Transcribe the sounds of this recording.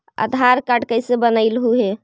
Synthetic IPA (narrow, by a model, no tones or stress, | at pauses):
ə̰d̪ʱaɾkaɖkəjsebənəɪlɦuɦe